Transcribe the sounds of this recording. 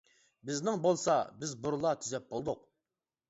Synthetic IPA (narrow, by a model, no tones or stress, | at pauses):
bɪznɪŋbolˠsɑbɪzbʊɾlˠɑt̪ʰyzɛp̚bolˠd̪ʊq̚